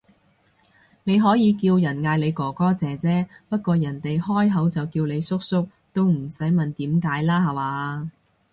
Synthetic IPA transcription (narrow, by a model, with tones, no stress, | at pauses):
ne˨˧jɦɔː˨˥jiː˨˧kiː˧wjɐ˨˩nŋaː˧jle˨˧jkɔː˨˩kɔː˥t͡sɛː˨˧t͡sɛː˥pɐ˥t̚kʷɔː˧jɐ˨˩nt̪e˨jhɔː˥jɦɐ˨˥wt͡sɐ˨wkiː˧wle˨˧jsʊ˥k̚sʊ˥k̚ | t̪o˥wm̩˨˩sɐ˨˥jmɐ˨nt̪iː˨˥mkaː˨˥jlaː˥ɦɐ˨waː˨˦